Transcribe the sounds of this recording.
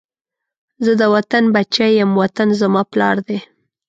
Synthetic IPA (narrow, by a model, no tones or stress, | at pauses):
zəd̪əwat̪anbat͡ʃajəmwat̪anzamɑplɑɾd̪e